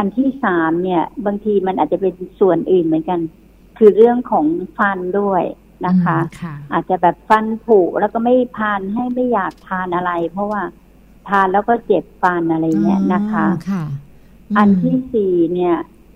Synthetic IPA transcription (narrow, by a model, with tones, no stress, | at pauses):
ʔa˧nt̪ʰiː˥˩saː˩˦mni˥˩ɐbaː˧ŋt̪ʰiː˧ma˧nʔaː˨˩t̪̚t͡ɕa˨˩pe˧nsu˨˩ənʔɯː˨˩nmɯ˩˦nka˧n | kʰɯː˧ɾɯ˥˩əŋkʰɔː˩˦ŋfa˧ndu˥˩əj | na˦˥kʰa˦˥ʔaː˨˩t̪̚t͡ɕa˨˩bɛː˨˩p̚fa˧npʰuː˨˩lɛː˦˥˩wkɔː˥˩ma˥˩jpʰaː˧nɦa˥˩jma˥˩jːaː˨˩k̚t̪ʰaː˧nʔa˧ɾa˧jpʰɔ˦˥waː˥˩ | t̪ʰaː˧nlɛː˦˥˩wkɔː˥˩t͡ɕe˨˩p̚fa˧nʔa˧ɾa˧jni˦˥˩əna˦˥kʰa˦˥ | ʔa˧nt̪ʰiː˥˩siː˨˩ni˥˩ɐ